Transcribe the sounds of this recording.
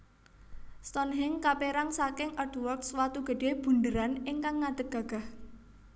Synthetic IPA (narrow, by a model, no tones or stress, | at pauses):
st̪ɔnɦɪŋkapeɾaŋsakɪŋʔɔdwɔrkswat̪uɡ̥ə̤ɖ̥eb̥ṳndəɾanɪŋkaŋːad̥əɡ̥a̤ɡ̥a̤h